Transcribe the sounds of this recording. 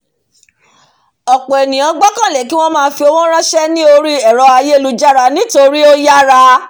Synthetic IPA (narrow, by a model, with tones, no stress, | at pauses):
ɔ˨k͡pɔ˨ɛ˨nĩ˨j̃ã˧ɡ͡bɔ˦kã˦˨lɛ˨ki˦w̃ɔ̃˦mãː˦˧˦fi˧o˧w̃ɔ̃˦ɾ̃ã˦ʃɛ˦nĩ˦o˧ɾi˦ɛ˨ɾɔ˧a˧je˦e˦˨lu˦d͡ʒa˦ɾa˧˦nĩ˦to˧ɾi˦o˦ja˦ɾa˧˦